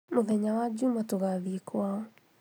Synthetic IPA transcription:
moðɛɲawad͡ʒumatoɣaðiekwaɔ

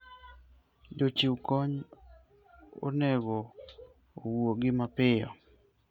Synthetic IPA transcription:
d͡ʒot͡ʃiukɔɲ | o̰nɛɡo | owoɡɪmapɪjɔ̰

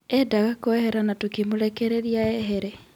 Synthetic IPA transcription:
ɛdaɣakoɛhɛɾanatokimoɾɛkɛɾeɾiaɛɦeɾe

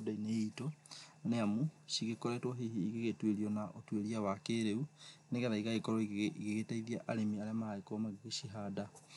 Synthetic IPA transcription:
odaineitoneamuʃiɣekoɾetwɔɦiiɣeɣetweɾiɔnaʔotweɾiawakeɾeuneɣɛɾaiɣaɣekɔɾɔiɣeɣetaiðiaʔaɾemiaɾeamahaekɔmaɣeɣeʃiɦada

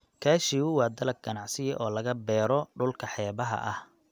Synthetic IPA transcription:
kʰaːʃiwʊwɑːd̪ɐlɐk̚ɡɐnɑʕsɪjɛʔɔːlɐɣɐbɛːɾɔɖʊlkʰɐħɛːβɐɦɐ̰ʔɐh

